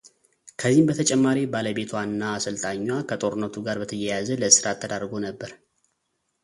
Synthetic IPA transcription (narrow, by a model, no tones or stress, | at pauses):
kʰəzːihmbət̪ʰət͡ʃʼɛmːaɾibaləbe̞t̪ʰwanːaːsɨlt̪ʼaɲːwakʰət̪ʼo̞ɾɨnːət̪ʰuɡaɾbət̪ʰəjɛjazələsɨɾat̪ʰːəd̪aɾɡo̞nəbːəɾ